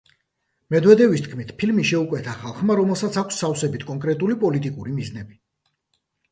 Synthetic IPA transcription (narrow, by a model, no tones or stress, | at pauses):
mɛd̪wɛd̪ɛvist̪̚ʰkʰmit̪ʰpʰilmiʃɛukʼwɛt̪ʰaχalˠχmaɾɔmɛlˠsat̪sʰakʷʰsːawsɛbit̪ʰkʼɔŋkʼɾɛt̪ʼulipʼɔlit̪ʼikʼuɾimiznɛbi